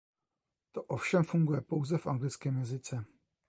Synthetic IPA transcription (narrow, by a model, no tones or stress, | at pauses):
t̪oʔofʃɛmfuŋɡujɛpo̞wzɛfʔa̰ŋɡlɪt͡skɛːmjɛzɪt͡sɛ